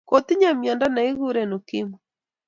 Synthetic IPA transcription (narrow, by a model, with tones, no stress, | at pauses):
ko˨t̪i˦ɲa˨mja˨nda˦na˨i˦ɣu˦ɾɛno˨kɪ˦mɔ